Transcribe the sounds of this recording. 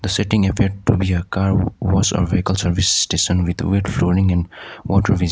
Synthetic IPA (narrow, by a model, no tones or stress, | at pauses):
d̪əseʈɪ̃ŋəpiɾɖ̚ʈubiəkaːɾʋɔzɔ̰ɾʋekəlsəɾʋisːʈeːʃə̃nʋɪd̪weʈfloːɾɪ̃ŋɛ̃nɖwɔːʈəɾʋiz